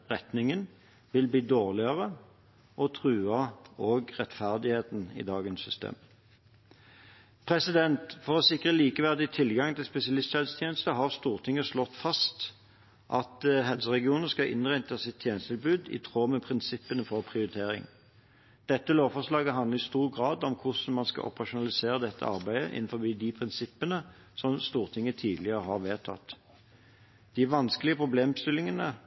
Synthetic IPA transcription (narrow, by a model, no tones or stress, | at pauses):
ʁɛt̪nɪŋən | ʋɪlbliːd̪oːʁlɪəʁə | ʔɔt̪ʰʁʉːɑoɡʁɛt̪fæʁd̪ɪheːt̪n̩ɪ̰d̪ɑːɡənsʏst̪ḛːm | pʰʁɛsɪd̪ɛnt̪fɔʁɔsɪkʁəliːkəʋæʁd̪ɪt̪ʰɪlɡɑŋt̪ʰɪlspɛsɪɑlɪst̪ʃɛlst̪ʰjeːnəst̪əɦɑʁst̪uːʁt̪ʰɪŋːəslɔt̪ːfɑst̪ | ʔɑ̰t̪ɦɛlsəʁɛɡɪuːnəskɑʔɪ̰nʁæɪt̪əsɪt̪ʰjeːnəst̪ʰɪlbʉːd̪ɪ̰t̪ʰʁoːmɛpʰʁɪnsɪpːənəfɔʁpʰʁɪʊɾɪt̪ʰeːɾɪ̰ŋ | d̪̥ɛt̪ːəloːʋfɔʂlɑːɡəɦɑnd̪ləʁɪst̪uːʁɡʁɑːd̪ɔmkʰʊsn̩mɑnskɑ̰ʔɔ̰pəʁɑʃʊnɑlɪseːɾəd̪ɛt̪ːə̰ɑ̰ʁbæɪə̰ʔɪ̰n̩fɔbiːd̪ɪpʰʁɪnsɪpːənə | sɔmst̪uːʁt̪ʰɪŋːət̪ʰiːd̪lɪəʁəɦɑʁʋeːt̪ʰɑ̰t̪ː | d̪̥ɪʋɑnsklɪəpʰʁʊbleːmst̪ɪlɪŋənə